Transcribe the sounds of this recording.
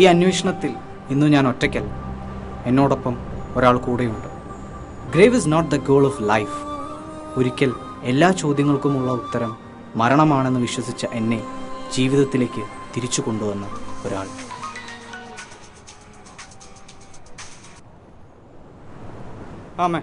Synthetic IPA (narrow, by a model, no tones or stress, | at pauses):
iːɐnweːʂɐɳɐt̪ːil | inːuɲaːno̞tːɐkʲːɐl | e̞nːo̞ːɽo̞pːɐmo̞ɾaːɭkuːɽe̞juɳɖɨ | ɡreːʋisnoːʈ̚d̪ɐɡo̞ːɭoflɐjf | oɾikʲːɐl | e̞lːaːt͡ɕo̞ːd̪jɐŋːɐɭkumuɭːɐut̪ːɐɾɐmː | ɐɾɐɳɐmaːɳe̞nːɨʋiɕwɐsit͡ɕːɐʔe̞nːe̞d͡ʑiːʋiðɐt̪ːile̞ːkʲːɨt̪iɾit͡ɕːuko̞ɳɖuʋɐnːɐo̞ɾaːɭ | ame